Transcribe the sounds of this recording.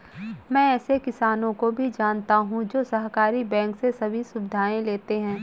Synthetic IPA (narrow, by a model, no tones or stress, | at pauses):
mɛ̃ːɛːsekɪsaːnõkobʱid͡ʒaːnt̪aɦũd͡ʒoːsɐɦkaːɾibɛ̃ːŋksesɐbʱisʊbɪd̪ʱaːẽleːt̪eɦɛ̃ː